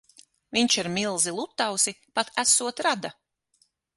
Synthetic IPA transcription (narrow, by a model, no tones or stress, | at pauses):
viɲt͡ʃiɾmilˠzilˠut̪ːawsipat̪æsuɔt̪ɾad̪a